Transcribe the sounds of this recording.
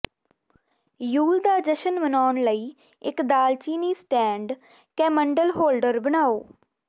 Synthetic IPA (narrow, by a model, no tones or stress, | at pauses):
juːld̪aːd͡ʒəʃənbənaːnləiː | ɪkd̪aːlt͡ʃiːniːsʈɛ̃ːɳɖ | kɛ̃ːməɳɖəlɦoːlɖəɾbənaːoː